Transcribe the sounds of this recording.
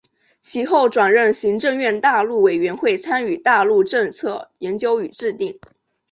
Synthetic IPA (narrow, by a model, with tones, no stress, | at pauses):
t͡ɕʰi˧˥xo˥˩ʊʈ͡ʂwa˨˩nɻə˥˩nɕi˧˥ŋʈ͡ʂɤ˥˧ŋɥɛ˥˧nt̪a˥˧lu˥˩we˨˩ɪɥɛ˧˥nxwe˥˩ɪt͡sʰa˥ny˨˩t̪a˥˧lu˥˧ʈ͡ʂɤ˥˧ŋt͡sʰɤ˥˩jɛ˧˥nt͡ɕjo˥ʊy˨˩ʈ͡ʂɻ̩˥˧t̪i˥˩ŋ